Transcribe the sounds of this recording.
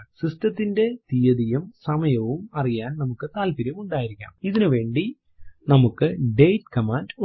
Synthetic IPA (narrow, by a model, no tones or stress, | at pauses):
sistɐt̪ːinde̞t̪ijɐðijumsɐmɐjɐʋumɐrijaːnnɐmukːɨt̪aːlpiɾjɐmuɳɖaːjiɾikʲːuɐ̰miðinɨʋe̞ːɳɖi | nɐmukːɨɖejtkɐmaːnd